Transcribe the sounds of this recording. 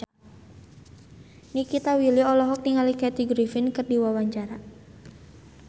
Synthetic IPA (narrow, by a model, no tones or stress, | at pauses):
nikit̪awiliɔlɔɦɔk̚niŋalikɛt̪iɡɾifɪnkɨrdiwawaɲt͡ʃaɾa